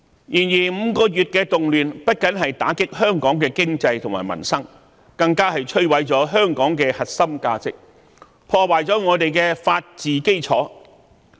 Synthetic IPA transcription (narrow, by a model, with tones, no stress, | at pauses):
jiː˨˩njiː˨˩m̩ː˨˧kɔː˧jyː˨t̚kɛː˧t̪ʊ˨ŋlyː˨npɐ˥t̚kɐ˨˥nɦɐ˨jt̪a̰ː˨˥kɪ˥k̚hœː˥ŋkɔː˨˥ŋkɛː˧kɪ˥ŋt͡sɐ˧jt̪ʰʊ˨ŋma̰ː˨˩mɐ̰˨˩nsɐ˥ŋ | kɐ˧ŋkaː˥ɦɐ˨jt͡ʃʰɵ˥ɥwɐ˨˥jt͡sɔː˨˥ɦœː˥ŋkɔː˨˥ŋkɛː˧hɐ˨t̚sɐ˥mkaː˧t͡sɪ˨k̚ | pʰɔː˧waː˨jt͡sɔː˨˥ŋɔː˨˧t̪e˨jkɛː˧faː˧t̚t͡siː˨˩ke˥jt͡sʰɔ̰ː˨˥